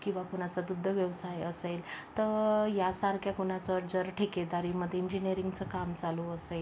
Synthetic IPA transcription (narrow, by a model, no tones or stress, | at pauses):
kĩw̃ʋakuɽ̃at͡sad̪ud̪ʱːəʋjəʋsajəselt̪əjasaɾkʰjakuɽ̃at͡səɾd͡zəɾʈʰeked̪aɾiməd̪ʱːjeiɲd͡ʑiniəɾiŋɡt͡səkamt͡saloəsel